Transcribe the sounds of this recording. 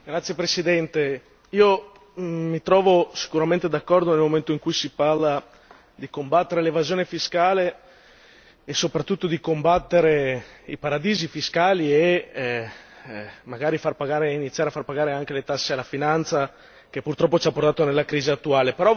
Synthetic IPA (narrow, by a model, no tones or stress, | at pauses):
ɡɾat̪sjepɾesid̪ɛnt̪e | iːo | mit̪ɾɔːvosi̥kuɾament̪ed̪akːɔrd̪onelmoment̪oiŋkujsiparla | d̪ikombat̪ːeɾelevazjoːnefiskaːle | sopɾat̪ːut̪ːod̪ikombat̪ːeɾeipaɾad̪iːzifiskaːlie | maɡaːɾifarpaɡaːɾeinit̪sjaɾeafarpaɡaːɾeaŋkelet̪asːealːafinant̪sa | kepːurt̪ɾɔpːot͡ʃapːort̪aːt̪onelːakɾiːziat̪ːuaːlepeɾɔ